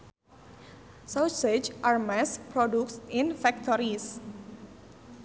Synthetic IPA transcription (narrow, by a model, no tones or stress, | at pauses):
sawsed͡ʒʔarmaspɾɔduksinfɛk̚t̪ʰɔɾis